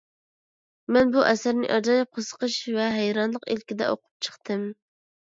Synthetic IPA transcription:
mɛnbuʔɛsæɾnɪ̰ʔɑd͡ʒɑjɑp̚qʰosə̥qəʃvɛɦæjɾɑnlˠəqilkʲid̪ɛ̰ʔo̰qʰʊ̥p̚t͡ʃʰə̥χt̪ɨm

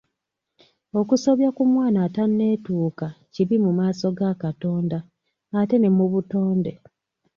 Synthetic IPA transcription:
o̞kuso̞βjakumwaːnatanːe̞ːtuːkaciβimumaːso̞ɡakato̞ːndaː | te̞ne̞muβuto̞ːnde̞

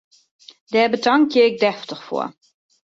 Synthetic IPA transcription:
d̥ɛːbətaŋkʰjəɪk̚dɛftəxfo̰ə

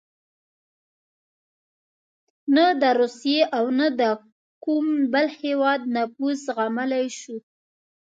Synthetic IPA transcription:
nəd̪əɾusjeʔawnad̪ə | kumbəlhewɑd̪̚napusɣaməlajʃu

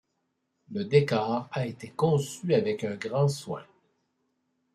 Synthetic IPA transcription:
ləd̪ekaːʁaet̪ekɔ̃syavɛkɛ̃ɡʁɑ̃swɛ̰̃

